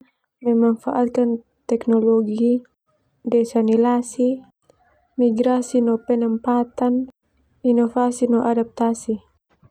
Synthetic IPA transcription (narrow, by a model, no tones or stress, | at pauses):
mɛmaŋfaʔat̪̚kan | t̪ɛknɔlɔɡi | dɛsanilasi | miɡɾasinɔpɛnəmpat̪an | inɔfasinɔʔadap̚t̪asi